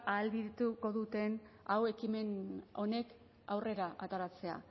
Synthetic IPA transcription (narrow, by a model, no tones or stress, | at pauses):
aːld̪it̪uko̞ðut̪e̞nawe̞kime̞no̞ne̞k | awre̞ɾaʔat̪aɾat͡se̞a̰